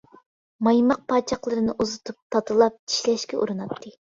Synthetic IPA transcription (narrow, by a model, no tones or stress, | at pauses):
mɑjmɑq̚pʰɑːt͡ʃʰɑχlˠɨɾɨnɨʔuzɨt̪ʰup̚t̪ʰɑt̪ʰɨlˠɑp̚i̥ʃlɛʃkʲɛʔṵɾɨnɑt̪ʰːɨ